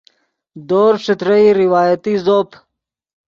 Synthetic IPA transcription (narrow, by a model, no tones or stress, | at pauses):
d̪oːɾʂɪt̪ɾəiɾiwaːjət̪izoːp